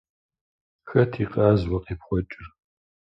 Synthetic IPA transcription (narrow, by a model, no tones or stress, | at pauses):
xɐtʰiːqʼɑːzwɐqiːpχʷɔt͡ʃʼɪr